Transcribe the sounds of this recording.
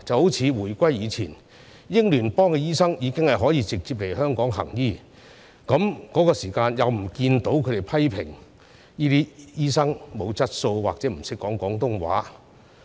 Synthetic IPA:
t͡sɐ˨who˨˥wt͡sʰiː˨˧wuː˨˩jkʷa˥jːiː˨˧t͡sʰiː˨˩n | jɪ˥ŋlyː˨˩npɔː˥ŋkɛ˧jiː˥sɐ˥ŋjiː˨˧kɪ˥ŋhɐ˨jɦɔː˨˥jiː˨˧t͡sɪ˨k̚t͡si˧p̚le˨˩jhœː˥ŋkɔː˨˥ŋɦɐ̰˨˩ŋjiː˥˩ | kɐ˨˥mkɔː˨˥kɔː˧siː˨˩kaː˧njɐ˨wm̩˨˩kiː˧nt̪o˨˥wkʰɵ˨˧te˨˩jpʰɐ˥jpʰɪ˨˩ŋ | niː˥t̪iː˥jiː˥sɐ˥ŋmo˨˧wt͡sɐ˥t̚so˧wwaː˨k̚t͡sɛː˨˥m̩˨˩sɪ˥kːɔː˨˥ŋkɔː˨˥ŋt̪ʊ˥ŋwa̰ː˨˥

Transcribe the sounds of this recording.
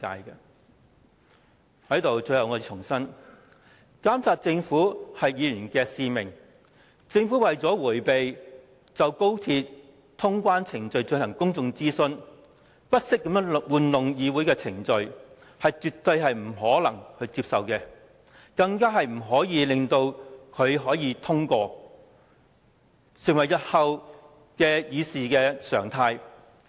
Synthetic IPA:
ka̰ː˧jkɛ˧ | hɐ˨˥jt̪o˨wt͡sɵ˧ɥjɐ˨˧wŋɔː˧˨t͡ʃʰʊ˨˩ŋsɐ˥n | kaː˥msaː˧t̚t͡sɪ˧ŋfuː˨˥hɐ˨jːiː˨˧jyː˨˩nkɛː˧siː˨˧mɪ˨˩ŋ | t͡sɪ˧ŋfuː˨˥wɐ˨jt͡sɔː˨˥wuː˨˩jpe˨j | t͡sɐ˨wko˥wt̪ʰiː˧t̚ | t̪ʰʊ˥ŋkʷwaː˥nt͡sʰɪ˨˩ŋt͡ʃɵ˨˧ɥt͡sɵ˧nɐ˨˩ŋkʊ˥ŋt͡sʊ˧ŋt͡siː˥sɵ˧n | pɐ˥t̚sɪ˥k̚ːɐ˧mjœː˥ŋwuː˨nlʊ˨ŋjiː˨˧wuː˨˥jkɛː˧t͡sʰɪ˨˩ŋt͡ʃɵ˨ɥ | hɐ˨jt͡ʃyː˨t̪ːɵ˧ɥɦɐ˨jm̩˨˩ɦɔː˨˥lɐ˨˩ŋhɵ˨˧ɥt͡siː˧p̚sɐ˨wkɛː˧ | kɐ˧ŋkaː˥ɦɐ˨jm̩˨˩ɦɔː˨˥jiː˨˧lɪ˨ŋt̪o˧wkʰɵ˨˧ɥɦɔː˨˥jiː˨˧t̪ʰʊ˥ŋkɔː˧ | sɪ˨˩ŋwɐ˨˩jɐ˨t̚hɐ˨˧w | kɛː˧jiː˨˧siː˨kɛː˧sœ̰ː˨˩ŋt̪ʰaː˧j

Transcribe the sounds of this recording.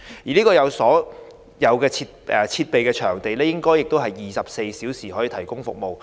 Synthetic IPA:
jiː˨˩liː˥kɔː˧jɐ˨˧wsɔː˨˥ | jɐ˨˧wkɛː˧t͡sʰiː˧t̚ɛ˨t͡sʰiː˧t̚pe˨jkɛː˧t͡ʃʰœː˨˩ŋt̪e˨jlɛː˥jɪ˥ŋkɔː˥jːɪ˨k̚t̪o˥wɦɐ˨jːiː˨˩sɐ˨p̚se˧jsiː˨˥wsiː˨˩ɦɔː˨˥jiː˨˧t̪ʰjkʊ˥ŋfʊ̰˨k̚mo˨w

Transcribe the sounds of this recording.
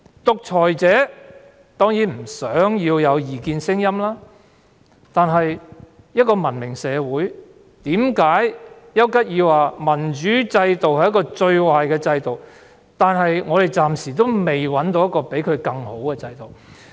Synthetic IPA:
t̪ʊ˨k̚t͡ʃʰɔː˨˩jt͡sɛː˨˥ | t̪ɔː˥ŋjiː˨˥nm̩˨˩sœː˨˥ŋjiː˧wjɐ˨˧wjiː˨kiː˧nsɪ˥ŋjɐ˥mlaː˥ | t̪aː˨nɦɐ˨j | jɐ˥t̚kːɔː˧mɐ˨˩nmɪ˨˩ŋsɛː˨˧wuː˨˥j | t̪iː˨˥mkaː˨˥jjɐ˥wkɐ˥t̚jiː˧wwaː˨mɐ˨˩nt͡ʃyː˨˥t͡sɐ˧jt̪o˨whɐ˨jɐ˥kɔː˧t͡ʃɵ˧ɥwaː˨jkɛː˧t͡sɐ˧jt̪o˨w | t̪aː˨nɦɐ˨jŋɔː˨˧ɾe˨˩jt͡saː˨˩msiː˨˩t̪o˥wme˨jwɐ˨˥nt̪o˨˧wjɐ˥kːɔː˧pe˨˥jkʰɵ˨˧ɥkɐ˧ŋho˨˥wkɛː˧t͡sɐ˧jt̪o˨˩w

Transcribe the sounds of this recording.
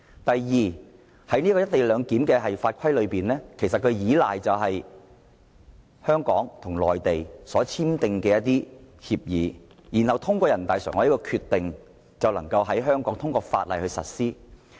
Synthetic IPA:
t̪ɐ˨jːiː˨ | hɐ˨˥jniː˥kɔː˧˥jɐ˥t̪̚e˨˩jlœː˨˧ŋkiː˨˥mkɛː˧ɦɐ˨jfaː˧t̚kʷʰɐ˥jlɵ˨˧piː˨nlɛː˥kʰe˨˩js̬ɐ˨t̚kʰɵ˨˧ɥjiː˨˥la̰ː˨jt͡sɐ˨wɦɐ˨j | hœː˥ŋkɔː˨˥ŋt̪ʰʊ˨˩ŋlɔ̰ː˨jt̪e˨jsɔː˨˥t͡sʰiː˥mt̪ɪ˧ŋkɛː˧jɐ˥t̚t̪iː˥hiː˧p̚jiː˨˥ | ji˨˩nhɐ˨wt̪ʰʊ˥ŋkʷɔː˧jɐ˨˩nt̪aː˨jsœ̰ː˨˩ŋɔ˨˥jkɔː˧kʰyː˧t̪ːɪ˨ŋ | t͡sɐ˨wlɐ˨˩ŋkɐ˧wɦɐ˨˥jɦœː˥ŋkɔː˨˥ŋt̪ʰʊ˥ŋkɔː˧fa̰ː˧t̚lɐ˨jhɵ˧ɥsɐ̰˨t̚siː˥

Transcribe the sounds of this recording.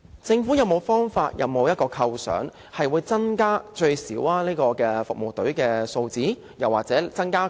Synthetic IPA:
t͡sɪ˧ŋfuː˨˥jɐ˨˧wmo˨˧wfɔː˥ŋfa̰ː˧t̚jʔɐ̰˨˧wmo˨˧wjɐ˥t̚kɔː˧kʰɐ˧wsœ̰ː˨˥ŋ | hɐ˨jwuː˨˧jt͡sɐ˥ŋkaː˥t͡ʃɵ˧ɥsḭː˨˥waː˥liː˥kɔː˧kɛː˧fʊ˨k̚mo˨˩wt̪ɵ˨˥ɥkɛː˧so˧wt͡siː˨˥ | jɐ˨wːaː˨k̚t͡sɛː˨˥t͡sɐ˥nkaː˥

